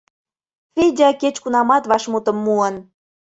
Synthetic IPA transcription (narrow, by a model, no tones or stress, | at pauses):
fʲedʲɑket͡ɕkunɑmɑt̪βɑʃmut̪ə̆mːuən